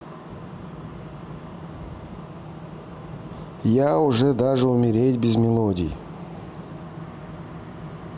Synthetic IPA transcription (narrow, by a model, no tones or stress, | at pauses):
jaʊʐɛd̪aʐɨʊmʲɪɾʲetʲbʲɪzmʲɪlˠodʲɪ̰j